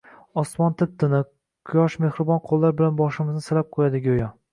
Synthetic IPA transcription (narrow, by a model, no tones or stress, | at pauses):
ɒsmɒnt̪ʰɪp̚t̪ɪnɪ | kʰʊjɒʃmehɾɪbɒnqʰolˠːaɾbɪlanbɒʃɪmɪznɪsɪlap̚qʰojad̪ɪɡʲojɒ